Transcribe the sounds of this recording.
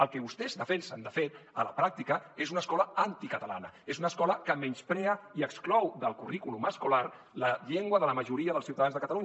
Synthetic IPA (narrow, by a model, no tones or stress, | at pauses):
əlˠkɛβust̪ɛzðəfɛnsənd̪əfeɾə̰ləpɾak̚t̪ikəezunəskɔləant̪ikət̪əla̰nə̰ezunəskɔləkəmɛnspɾɛəiəksklɔwðəlˠkurikuluməskular | ləʎeŋɡwəðələməʒuɾiəðəlˠsiuwt̪aðanzðəkət̪alu